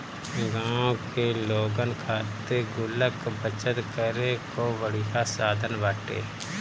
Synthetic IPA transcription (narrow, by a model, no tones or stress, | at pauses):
ɡãːõkeloːɡənkʰaːt̪eɡʊləkbət͡ʃət̪kəɾekoʋəɽiɦasaːd̪ʱənʋaːʈḛː